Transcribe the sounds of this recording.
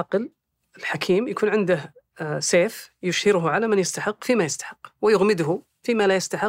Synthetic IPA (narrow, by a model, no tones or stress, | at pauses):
ɑql | ɪlħakʰiːmjakʰuːnʕɪnd̪əh | seːfjʊʃhɪɾɦʕalamɪnjɪst̪aħɪqːfimajɪst̪ḁħɪqːwɪjʊɣmɪd̪ɦʊ | fimalajɪst̪aħɪ